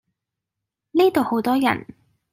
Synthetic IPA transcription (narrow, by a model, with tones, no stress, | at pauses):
ni˥t̪o˨who˨˥wt̪ɔː˥jɐ̰˨˩n